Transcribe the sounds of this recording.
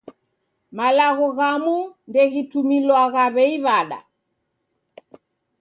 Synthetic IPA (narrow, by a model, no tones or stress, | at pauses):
malaɣɔɣamundɛɣitumilwaɣaβɛiβaɗa̰